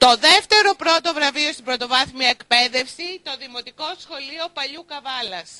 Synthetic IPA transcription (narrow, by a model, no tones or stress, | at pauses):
t̪o̞ðeft̪e̞ɾo̞pɾo̞t̪o̞vɾɐvio̞st̪ibɾo̞t̪o̞vɐθmiɐekpe̞ðe̞fsit̪o̞ðimo̞t̪iko̞sxo̞lio̞pɐʎukɐvɐlɐs